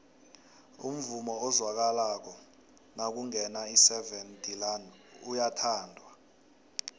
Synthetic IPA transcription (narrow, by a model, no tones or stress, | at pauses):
ṵm̩vumɔɔzwak̬alak̬ɔ | nak̬uŋɛnaisɛvɛntʼilan | ujatʰaːndʱwa